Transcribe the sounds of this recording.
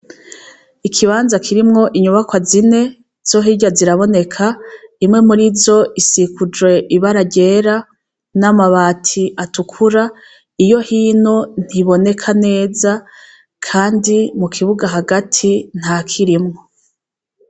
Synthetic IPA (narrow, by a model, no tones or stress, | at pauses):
ikʰiβaːnzakʰiɾimŋo̞ʔiɲuβakwazine̞ | z̥o̞ɦiɟaziɾaβo̞ne̞kʰaimŋe̞muɾizo̞ʔisikud͡ʒwe̞ʔiβaɾaɟe̞ːɾa | namaβaːtʰiʔatukʰuɾa | ijo̞hiːno̞n̥iβo̞ne̞kʰane̞ːza | kʰaːndimukʰiβuɡaɦaɡatʰin̥haːkʰiɾimŋo̞